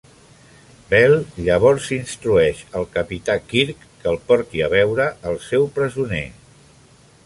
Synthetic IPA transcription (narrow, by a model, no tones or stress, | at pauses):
bɛlˠʎəβ̞ɔɾsinst̪ɾuɛʃəlˠkəpit̪akiɾkːəlˠpɔɾt̪iəβ̞ɛwɾəːlˠsɛwpɾəzunḛ